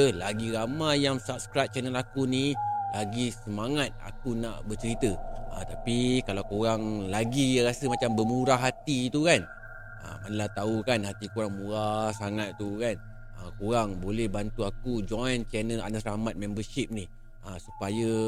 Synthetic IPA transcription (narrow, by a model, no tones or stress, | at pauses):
laɡiɾamajaŋsap̚skɾap̚t͡ʃɛnəlakunilaɡisəmaŋat̪̚a̰kuna̰ʔbət͡ʃəɾit̪əət̪apikalawkoɾaŋlaɡijaɾasəmat͡ʃambəmuɾaɦat̪it̪ukan | ə̰manəlaht̪aukanhat̪ikuɾaŋmũɾasaŋat̪t̪ːukan | əkuɾaŋbolɛhbant̪uakud͡ʒɔjnt͡ʃɛnəla̰nəsramat̪̚mɛ̃mbəʃip̚ni | əsu̥pajə